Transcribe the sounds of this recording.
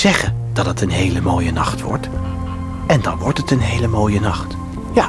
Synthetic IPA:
z̥ɛχəndɑtɦətənɦejləmoːjənɑχtʋɔ̰ɹt | ɛndɑ̰nʋɔɹtɦətənɦejləmoːjənɑχt | ja

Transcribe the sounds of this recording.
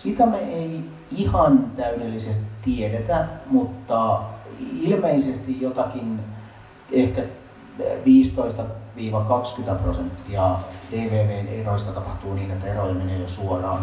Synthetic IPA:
sit̪æmeei | ihɑnt̪æydelːisest̪i̥t̪t̪iedet̪æmut̪ːɑ | ilmeisest̪ijjot̪ɑkin | ehkæ | ʋiːst̪oist̪ɑʋiːʋɑkɑkskyt̪æprosent̪ːiɑd̥eːʋeːʋeːneroist̪ɑt̪ɑpɑht̪uːniːnet̪ːæeroiɑmeneːjosuorɑ̰ːn

